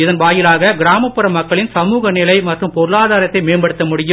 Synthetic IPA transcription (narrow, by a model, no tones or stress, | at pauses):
ɪðɐnʋaːjɪlaːɣɐɡɪɾaːmɐpːɯɾɐmːɐkːɐɭɪnsɐmuːɣɐnɪlɐɪmɐʈrɯmpɔɾɯlaːðaːɾɐt̪ːɐɪmeːnbɐɽɯt̪ːɐmʊɽɪjɯ